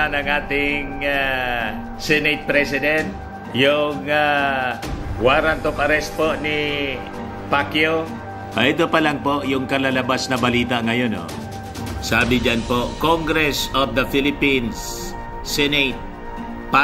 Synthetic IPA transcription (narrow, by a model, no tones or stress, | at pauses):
anɐŋʔaːt̪ɪŋa | sɛnɛt̪̚pɾɛsɪd̪ɛnt̪̚ | jʊŋa | waːɾant̪opɐɾɛst̪̚poʔnɪ | pakjo | ʔaʔt̪opɐlaŋpoʔjʊŋkɐlalɐbasnɐbɐliːt̪aŋɐjono̰ | saːbɪd͡ʒanpokoŋɡɾɛsofd̪ɐfɪlɪpinsː | ɛnɛt̪̚ | pa